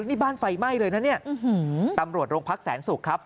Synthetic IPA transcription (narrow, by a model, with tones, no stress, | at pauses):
niː˦˥˩baː˥˩nfa˧jma˥˩jlɤː˧jna˦˥ni˥˩ɐ˧hɯ˩˦t̪a˧mɾu˨˩ət̪̚ɾoː˧ŋpʰa˦˥k̚sɛː˩˦nsu˨˩kʰːɾa˦˥p̚